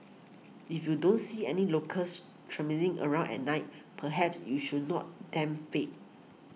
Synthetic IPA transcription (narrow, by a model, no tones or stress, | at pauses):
ifjudõntsiɛnilokʰəs | tʰɹɛmilĩŋʔə̰ɹãʊ̃nɛ̰t̚naɪt̚pʰəɦɛpsjuʃudnɔ̰t̚dɛ̃mfet̚